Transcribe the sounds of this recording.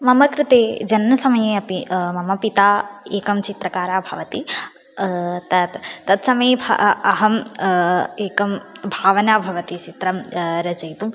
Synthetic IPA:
mɐmɐkɾɪt̪eːd͡ʒɐnːɐsɐmɐjeɐpimɐmɐpit̪aːeːkɐmt͡ʃit̪ɾɐkaːɾaːbʱɐʋɐt̪i | t̪ɐt̪ːɐt̪sɐmɐjbʱɐ̰ɐɦɐm | eːkɐmbʱaːʋɐnaːbʱɐʋɐt̪it͡ʃit̪ɾɐmɾɐd͡ʒɐjt̪u

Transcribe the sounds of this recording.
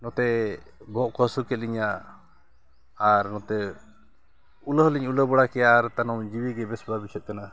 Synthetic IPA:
nɔt̪ɛbʱɔʔkəsukɛt̪̚liɲa | aɾnɔt̪ɛ | uləɦliɲuləbɔɽakɛjaɾt̪anɔmd͡ʒibiɡɛbɛsbabit͡ʃʰɛt̪̚kana

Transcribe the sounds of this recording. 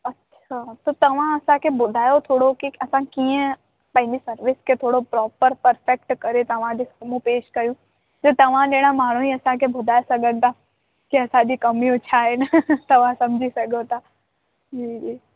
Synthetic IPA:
ɐtːʃʰat̪ot̪ɐʋ̤ãɐsãkʰebʊd̪ʱaːjot̪ʰoːɽokiɐsãkiːə̃ | pɐ̃ɦɪ̃ɲd͡ʑisɐɾʋɪsket̪ʰoːɽopɾɔːpəɾpɐɾfekʈkɐɾet̪ɐʋ̤ãd͡ʒisɐmũpeːʃkɐɾjũː | d͡ʒoːt̪ɐʋ̤ãleːɽ̃amaːɽ̤ũiɐsãkʰebʱʊd̪ʱaːjsɐɡʱə̃nt̪a | kiɐsãd͡ʒikɐmiʊt͡ʃʰaːent̪ɐʋ̤ãsɐmd͡ʒʱisɐɡʱot̪aː | d͡ʒiːd͡ʒiː

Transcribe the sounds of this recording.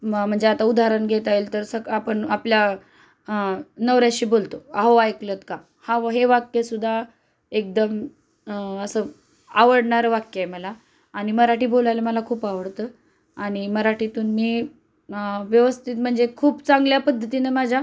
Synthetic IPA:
m̤əɳd͡zeat̪aud̪ʱaɾənɡʱet̪ajlt̪əɾsəɡapəɳaplja | nəʋɾjaɕiːbolt̪oaɦoajklət̪ka | haɦeʋakjesud̪ʱːa | ek̚d̪əm | əsəː | aʋəɽɳaɾʋakjəeməlaː | ɽ̃iməɾaʈiːbolajləməlakʰuːpaʋəɽt̪ə | aɽ̃iməɾaʈit̪uːnmiː | ʋjəʋəst̪ʰit̪m̤əɳd͡zekʰuːpt͡saŋɡljapəd̪ʱːət̪inəmad͡ʑʱa

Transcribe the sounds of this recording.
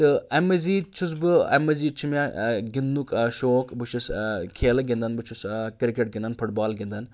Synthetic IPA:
t̪ɨɐmɐziːt͡ʃʰus̬bɨɐ̰mɐziːt͡ʃʰumʲaːɡinːukʃoːkbɨt͡ʃʰuskʰeːlɐɡʲind̪ɐnbɨt͡ʃʰuskiɾkeʈ̚ɡʲind̪ɐnfʰuʈbaːlɡʲind̪ɐn

